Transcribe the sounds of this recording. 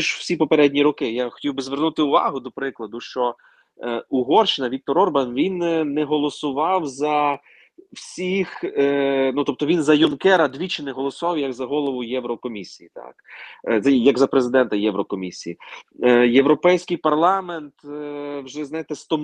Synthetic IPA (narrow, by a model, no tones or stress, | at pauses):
ʒwsʲipɔpeɾɛdʲnʲiɾɔkɪjaxɔ̥tʲiwbɪzʋernut̪ɪʊʋɑ̰ɦʊd̪ɔpɾɪklˠɐd̪ʊʃt͡ʃɔ | uɦɔrʃɪnɐʋʲik̚t̪ɔɾɔrbɐnʋʲinːɛɦɔlˠɔsʊʋɑwzɐ | wsʲix | nut̪ɔp̚t̪ɔʋʲinzɐjʊnkɛɾɐd̪ʲʋʲit͡ʃɪnɛɦɔlˠɔsʊʋɑwjɐɡzɐɦɔlˠɔʋʊjɛwɾɔkɔmʲisʲijit̪ɑ̰kzɐjɐɡzɐpɾezɪd̪ɛnt̪ɐjɛwɾɔkɔmʲisʲiji | jewɾɔpɛjsʲkɪjpɐrlˠɑment̪wʒɛznɑjet̪ɛst̪ɔ